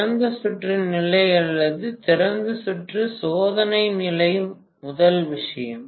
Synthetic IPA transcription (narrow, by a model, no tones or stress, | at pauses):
ɐnd̪ɐsʊʈrɪnnɪlɐɪɐlːɐðɯt̪ɪɾɐnd̪ɯsʊʈrɯsoːðɐnɐɪnɪlɐjɯm | ʊðɐlʋɪʂɐjɐ̰m